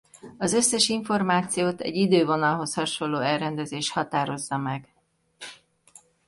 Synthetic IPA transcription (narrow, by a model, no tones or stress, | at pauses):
ɒzøsːɛʃiɱfo̞rmaːt̪sijoːt̪ɛ̰ɟid̪øːvo̞nɒlɦo̞shɒʃo̞lːoːɛlrɛnd̪ɛzeːʃhɒt̪aːɾo̞zːɒmɛɡ